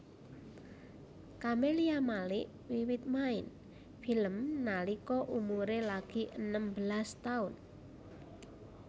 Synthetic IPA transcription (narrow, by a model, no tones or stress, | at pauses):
kameliamalɪʔ | wiwɪt̪̚maɪ̰n | filəmnalikɔʔumuɾelaɡ̥iʔənəmbəlast̪aʊn